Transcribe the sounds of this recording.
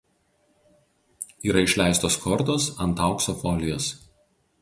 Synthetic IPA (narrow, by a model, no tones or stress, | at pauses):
iːɾɐɪʃʲlʲæˑɪst̪oːskʰɔɾt̪oːsɐnˑt̪ɑˑʊksɔfɔlʲɪjoːs